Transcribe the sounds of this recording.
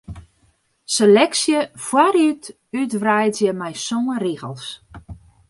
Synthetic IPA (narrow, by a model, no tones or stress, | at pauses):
selɛksjəfwaɾyt | ytʋrɛjtjəmɛjsoŋəriɣə̰lˠs